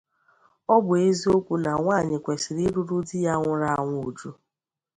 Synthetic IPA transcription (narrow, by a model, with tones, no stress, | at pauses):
ɔ˦bʊ˨e˦zi˦o˦kʷu˦na˨ŋʷaː˦˨ɲɪ˨kʷe˨sɪ˨ɾi˦ɾu˦ɾu˦dɪ˦ja˦ŋʷʊ˦ɾa˦˨ŋʷʊ˦o˨d͡ʒu˦